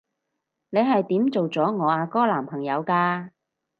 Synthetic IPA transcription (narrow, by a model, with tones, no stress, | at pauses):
ne˨˧jɦɐ˨jt̪iː˨˥mt͡so˨wt͡sɔː˨˥ŋɔː˨˧aː˧kɔː˥laː˨˩mpʰɐ˨˩ŋjɐ˨˧wkaː˧